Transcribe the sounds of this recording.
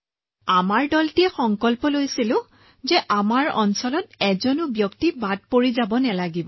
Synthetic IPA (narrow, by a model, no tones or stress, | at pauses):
amaɹdɔltijɛxɔŋkɔlpɔlojsilʊ̃ | zɛʔamaɹɔ̰nsɔlɔtɛzɔnʊbjɔktibad̚poɹizabɔnɛlaɡibɔ